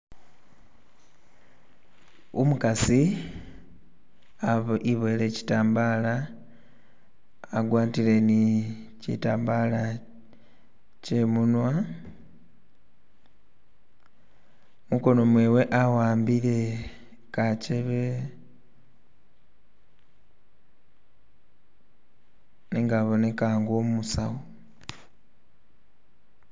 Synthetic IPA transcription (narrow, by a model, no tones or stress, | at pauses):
umukasi | aiβele̞ci̥taːmbaːla | ɡwaːtile̞ni | cḭtaːmbala | cemunwa | muko̞no̞mwe̞ːwe̞ʔawaːmbile̞ | kaceβe | niŋɡaβo̞ne̞kaŋɡomusa̰wo